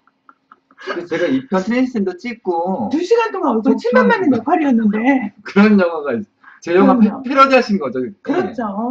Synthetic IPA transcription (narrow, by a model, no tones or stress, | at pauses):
kiɡet͡ɕe̞ɡaipʰjʌntʰɯɾenʰisʰendot͡ɕ͈ik̚k͈otuɕʰiɡantʰoŋaos̬ʰʌt͡ɕʰiɭbanmanenopʰaɾiʌnːɯnde̞kɯɾʌnjʌŋwaɡais͈ | t͡ɕejʌɡapʰeɾʌd͡ʑeɦaɕʰinɡʌt͡ɕʌkɯɾʌt͡ɕ͈ʰo